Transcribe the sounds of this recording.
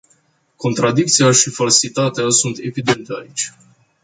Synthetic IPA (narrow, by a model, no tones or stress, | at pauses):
ko̞nt̪ɾad̪ik̚t̪sijaʃifalsit̪at̪easunt̪e̞vid̪e̞nt̪eait͡ʃʲ